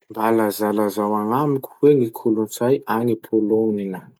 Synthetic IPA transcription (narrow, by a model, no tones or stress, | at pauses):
mbalazalazawaŋamikʲu̥weŋikʰulunt͡sajaŋipʰoloninə